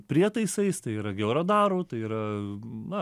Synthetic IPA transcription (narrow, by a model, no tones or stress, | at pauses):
pʲɾʲiɛt̪ɐɪsɐɪst̪ɐɪiːɾɐɡʲɛʊɾɐd̪ɑːɾuːt̪ɐɪiːɾɐnɐ